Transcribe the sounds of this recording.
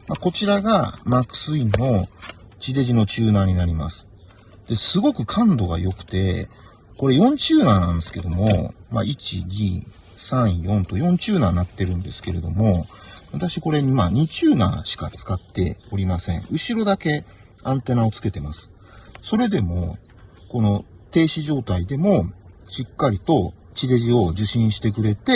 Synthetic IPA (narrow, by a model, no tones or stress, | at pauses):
mako̞t͡ɕiɾaɡamakɯ̟̥sɨino̞t͡ɕid̪e̞ʑino̞t͡ɕɨːnaːɲ̟inaɾʲima̰sɨ̥ | d̪̥e̞sɨɡo̞kɯ̟kʰãnd̪o̞ɡa̰jo̞kɯ̟̥t̪e̞̰ | ko̞ɾe̞jõ̞ɲ̟t͡ɕɨːnaːnãnd̪esɨ̥ke̞d̪o̞mo̞̰ma̰it͡ɕḭɡʲiː | sãɰ̃jõ̞nt̪o̞jõ̞ɲt͡ɕɨːnaːnat̪ːe̞ɾɯ̟̃nd̪e̞sɨ̥ke̞ɾe̞d̪o̞mo̞βat̪aɕiko̞ɾe̞ɲimaɲ̟it͡ɕɨːnã̰ːɕi̥kat͡sɨ̥kat̪ːe̞̰o̞ɾʲimasẽ̞̰ɴ̃ɯ̟ɕiɾo̞d̪ake̞ | ãnt̪e̞nao̞t͡sɨ̥ke̞t̪e̞masɨ̥ | so̞ɾe̞d̪e̞mo̞̰ | ko̞no̞ | t̪e̞ːɕiʑo̞ːt̪aid̪e̞mo̞ɕikːaɾʲit̪o̞ | t͡ɕid̪e̞ʑio̞ʑɨɕĩɰ̃ɕi̥t̪e̞k̬ɯ̟ɾe̞t̪e̞